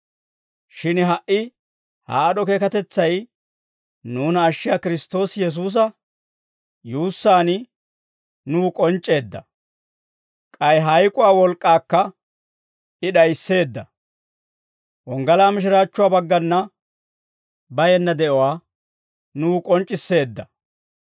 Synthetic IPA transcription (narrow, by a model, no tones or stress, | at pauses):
ʃɪnɦɐʔːɪ | ha̰ːɗɔke̞ːkɐt̪ɛt͡sːɐj | nuːnːʃːɪjaːkɪɾɪst̪o̞ːsjɛs̬uːs̬ɐ | juːsːaːn | nuːkʼɔnt͡ʃʼːe̞ːd̪ːɐ̰ | kʼɐjɦɐjkʼʊwaːwɔlkʼːaːkːɐ | ɪɗɐjsːe̞ːd̪ːɐ | wɔŋɡɐlaːmɪʃ̬ɪɾaːt͡ʃːʊwaːbɐɡːɐnːɐ | bɐjɛnːɐd̪ɛʔɔwaː | nuːkʼɔnt͡ʃʼːɪsːe̞ːd̪ːɐ